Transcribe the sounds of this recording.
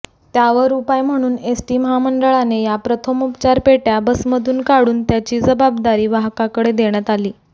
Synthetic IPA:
t̪jaʋəɾupajm̤əɽ̃uːnesʈiːməɦaməɳɖəɭanejapɾət̪ʰəmupt͡ɕaɾpeʈjabəsməd̪ʱuːnkaɽuːnt̪jat͡ɕiːd͡zəbab̚d̪aɾiːʋaɦkakəɽed̪eɽ̃jat̪aliː

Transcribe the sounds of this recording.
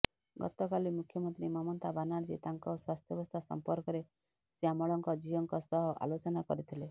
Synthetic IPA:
ɡɔ̰t̪ɔkalimukʰjɔmɔnt̪ɾimɔmɔnt̪abanaɾd͡ʒḭt̪aŋkɔswast̪ʰjɔbɔst̪ʰasɔ̰mpɔɾkɔɾe | siamɔɭɔŋkɔd͡ʒiɔŋkɔsɔɦɔʔa̰lot͡ʃɔnakɔɾit̪ʰile

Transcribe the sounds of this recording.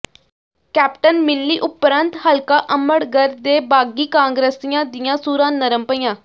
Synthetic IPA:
kɛːpʈənmɪlːiːʔʊpɾənt̪həlkaːʔəməɽɡəɾd̪eːbaːɡiːkãːŋɡɾeːsijãːd̪ɪjãːsuːɾãːnəɾəmpəijãː

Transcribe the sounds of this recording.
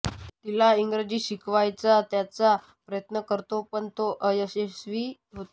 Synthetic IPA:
t̪ilaiŋɡɾed͡ʑiːɕikʰʋajt͡sat̪jat͡sa | pɾəjət̪nəkəɾt̪opəɳt̪oʔəjəɕesʋiː | ɦot̪o

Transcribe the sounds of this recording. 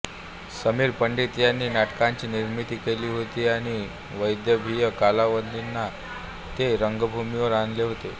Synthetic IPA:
səmiːɾpəɳɖit̪janːiːnaʈkaɲt͡ɕiːniɾmit̪iːkeliːɦot̪iːaɽ̃i | ʋəjd̪jəbʱijəkalaʋənd̪inːa | t̪eɾəŋɡbʱumiʋəɾanleɦot̪e

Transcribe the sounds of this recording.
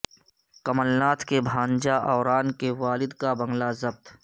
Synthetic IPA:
kɐməlnaːt̪kebʱãːnd͡ʒaʔɔːɾaːnkeʋaːlɪd̪kabɐ̃ŋɡlazɐb̚t̪

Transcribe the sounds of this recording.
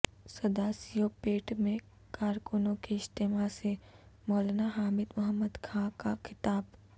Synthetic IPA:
sɐd̪aːsijopeːʈmẽ | kaːɾkʊnõkeɪst̪eːmasemɔːlnaɦaːmɪd̪mʊɦəmːəd̪kʰãkakʰɪt̪aːb

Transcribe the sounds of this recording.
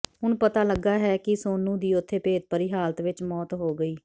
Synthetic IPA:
ɦʊɳpət̪aːləɡːaːɦɛːkɪsoːnũːd̪iːʊt̪ʰːeːpeːt̪̚pəɾiːɦaːlət̪ʋɪt͡ʃmɔːt̪ɦoːɡəiː

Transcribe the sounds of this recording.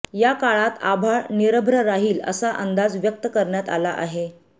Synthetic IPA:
jakaɭat̪abʱaɭniɾəbʱɾəɾaɦiːlə̰saʔənd̪ad͡zʋjək̚t̪əkəɾɳjat̪alaʔa̰ɦe

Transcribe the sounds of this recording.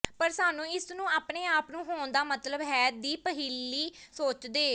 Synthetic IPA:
pəɾsaːnũːɪsnũːaːpneːaːpnũːɦoːnd̪aːmət̪ləbɦɛːd̪iːpəɦiːlːiːsoːt͡ʃd̪eː

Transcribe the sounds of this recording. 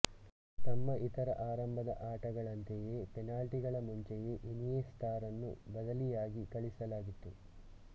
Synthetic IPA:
t̪ɐmːɐʔit̪ɐɾɐʔaːɾɐmbʱɐd̪ɐ̰ʔaːʈɐɡɐɭɐnt̪ejeːpenaːlʈiɡɐɭɐmuɲt͡ʃejeʔinijest̪ʰaːɾɐnːṵbɐd̪ɐlijaːɡikɐɭisɐlaːɡit̪ːu

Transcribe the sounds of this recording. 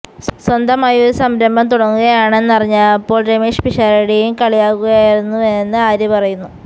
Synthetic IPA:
swɐnd̪ɐmaːjɐo̞ɾusɐmɾɐmbɐmt̪uɽɐŋːuɣɐjaːɳe̞nːɨɐriɲːaɐpːo̞ːɭɖemiʂpiʂaːɾiɽijumkɐɭijaːɣuɣɐjaːjiɾunːuenːɨaːɾjɐpɐrɐjunːu

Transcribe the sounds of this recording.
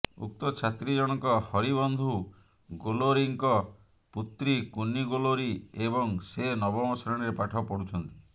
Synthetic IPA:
ṵk̚t̪ɔt͡ʃʰat̪ɾid͡ʒɔɽ̃ɔkɔhɔɾibɔnd̪ʱu | ɡoloɾiŋkɔ | put̪ɾikunːiɡoloɾiebɔŋsenɔbɔmɔsɾɔɽ̃ɾepaʈʰɔpɔɽut͡ʃʰɔnt̪i̥

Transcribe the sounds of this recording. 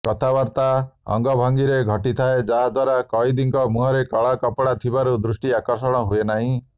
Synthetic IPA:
kɔt̪ʰabaɾt̪aɔ̰ŋɡɔbʱaŋɡiɾeɡʱɔʈit̪ʰaed͡ʒaɦad̪waɾakɔjd̪iŋkɔmuɦɔɾekɔɭakɔpɽat̪ʰibaɾud̪ɾusʈiakɔɾsɔɽ̃ɔɦuenaɦĩ

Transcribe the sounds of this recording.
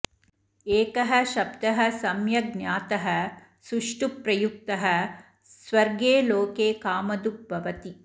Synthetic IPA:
eːkɐɦɐ̆ʃɐbd̪ɐɦɐ̆sɐmjɐɡnjaːt̪ɐɦɐ | suʂʈupɾɐjuk̚t̪ɐɦɐ | sʋɐɾɡeːloːkeːkaːmɐd̪uk̚bʱɐʋɐt̪i

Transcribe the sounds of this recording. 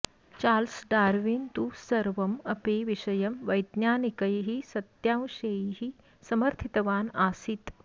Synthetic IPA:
t͡ʃaːlsɖaːɾʋint̪usɐɾʋɐmɐpeːʋiʃɐjɐmʋɐjd̪njaːnikɐjɦisɐt̪jãːw̃ʃejɦi | sɐmɐɾt̪ʰit̪ɐʋaːnaːsit̪

